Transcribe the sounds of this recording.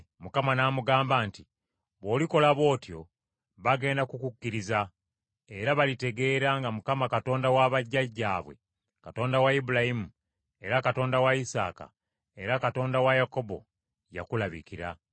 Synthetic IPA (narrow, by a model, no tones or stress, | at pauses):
mukamanaːmuɡaːmbaːnti | βo̞ːliko̞laβo̞ːtjo̞̰ | βaɡe̞ːndakukukːiɾiza | e̞ɾaβalite̞ɡe̞ːɾaŋɡamukamakato̞ːndawaβaɟːaɟːa̰ːβwe̞̰ | kato̞ːndawaibulahimu | e̞ɾakato̞ːndawaisa̰ːka̰ | e̞ɾakato̞ːndawajako̞bo̞̰ | ja̰kulaβḭkiɾa̰